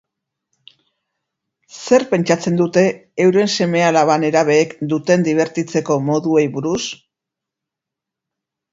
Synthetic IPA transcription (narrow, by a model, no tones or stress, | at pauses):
se̞ɾpe̞nt͡ʃat͡se̞nd̪ut̪e̞ːwɾe̞nse̞me̞alaβane̞ɾaβe̞ːkd̪ut̪e̞nd̪iβ̞e̞ɾt̪it͡se̞ko̞mo̞ðue̞jβuɾus